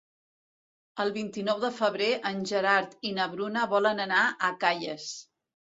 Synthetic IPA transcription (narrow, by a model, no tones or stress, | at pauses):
əlˠβint̪inɔwðəfəβɾeʔənʲʒəɾaɾt̪inəβɾunəβɔlənənaʔəkaʎəs